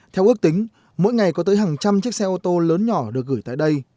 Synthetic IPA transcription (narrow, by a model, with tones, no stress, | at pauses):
t̪ʰɛ˧wʔɨ˦˥ək̚t̪ï˨˦ŋ̟ | mo̰˧˥jŋa˨˩jkɔ˨˦t̪əː˨˦jɦaː˨˩ŋt͡ɕa˧mt͡ɕɨ˦˥ək̚sɛ˧ʔo˧t̪o˧ləː˨˦nɲɔ˧˩ɗɨ˨˩ək̚ɣɨː˧˩jt̪a̰ː˧˨jɗə˧j